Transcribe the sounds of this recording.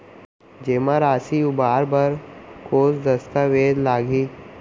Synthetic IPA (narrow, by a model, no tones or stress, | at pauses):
d͡ʒeːmãɾaːsiʊbaːɾbəɾkoːsd̪ɐst̪aʋeːd̪laːɡiː